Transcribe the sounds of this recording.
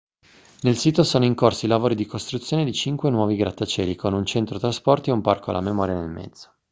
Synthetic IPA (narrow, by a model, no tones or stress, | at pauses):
nelsiːt̪osoːnoiŋkorsilavoːɾid̪ikost̪ɾut̪sːjoːned̪it͡ʃiŋkwenwɔːviɡɾat̪ːat͡ʃɛːlikʰonunt͡ʃent̪ɾot̪ɾaspɔrt̪ieumparkoa̰la̰memɔːɾjanḛlmɛ̰d̪zːo̥